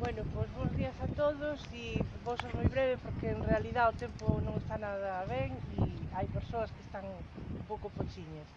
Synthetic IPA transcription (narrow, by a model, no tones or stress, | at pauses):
bwɛnʊpojzβõzðiɐsat̪oðʊsibosojzmojβɾɛβepoɾkeːnrealiðaðʊt̪ɛmpʊnõŋest̪anaðɐβɛŋiajpeɾsoɐskest̪aŋumpowkʊpot͡ʃiɲɐs